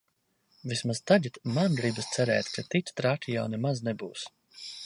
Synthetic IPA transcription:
vismazt̪aʎit̪manɡɾibst̪sɛɾɛːt̪ʲkʰat̪it̪ʲt̪ɾat̪ijawnɛmaznɛbuːs

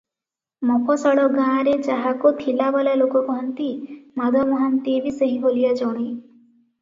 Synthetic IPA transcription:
mɔpʰɔsɔɽɔɡãːɾet͡ʃaɦakot̪ʰilabalalokɔkɔɦɔnt̪imad̪ʱɔmɔɦant̪ebisəɦĩɦolijad͡ʒɔɽ̃i

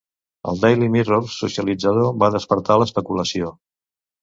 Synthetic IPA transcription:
ə̰lˠd̪ajlimiroɾsusiəlid͡zəðoβaðəspəɾt̪aləspəkuləsio

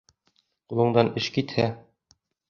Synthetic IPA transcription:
qulˠɤ̆ɴd̪ɑnɘʃkit̪hæ

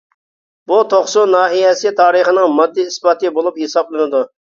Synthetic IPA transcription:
but̪ʰoχsunɑːɦijɛsɪt̪ʰɑːɾəχənɪŋmɑd̪ːiisbɑt̪ɨbolˠuphesɑblˠɨnɪd̪u

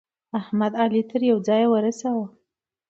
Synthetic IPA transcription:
ahmad̪alit̪əɾjawd͡zɑjwəɾasawə

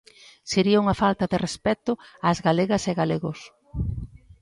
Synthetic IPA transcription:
seɾiauŋɐfalt̪ɐðɪrespɛt̪ʊaːzɣaleɣɐseɣaleɣʊs

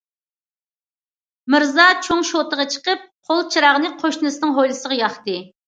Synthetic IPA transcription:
mɪɾzɑt͡ʃʰoŋʃot̪əʁɑt͡ʃʰə̥qəp̚qʰolˠt͡ʃʰiɾɑʁənɨqʰoʃnɨsɨnɨŋɦojlˠɨsəʁɑjɑχt̪ɨ

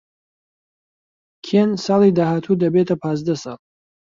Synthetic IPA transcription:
kʰensɑːlid̪ahat̪ʰud̪ɐbet̪ʰapʰaːzd̪asɑlˠ

